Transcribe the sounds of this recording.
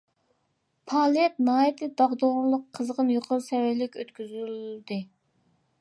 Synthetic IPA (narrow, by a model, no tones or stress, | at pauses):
pʰɑːlˠɛt̪nɑːjɛt̪ʰɨd̪ɑʁd̪oʁɾlˠəqʰːəzʁənjoqʰəɾsɛwɛlɪkʲøt̪kʲyzyld̪ɨ